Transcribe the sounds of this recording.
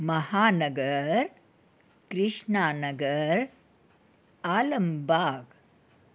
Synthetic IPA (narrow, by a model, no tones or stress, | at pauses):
mɐhaːnɐɡəɾ | kɾɪʂɳaːnɐɡəɾ | aːlɐmbʱaːɡ